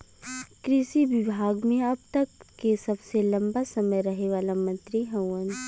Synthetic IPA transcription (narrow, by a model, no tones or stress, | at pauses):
kɾɪʃiʋɪbʱaːɡmẽɐb̚t̪ɐkːesɐbselɐ̃mbasɐməjɾɐɦeʋaːlamɐ̃nt̪ɾiɦɛ̃wə̃n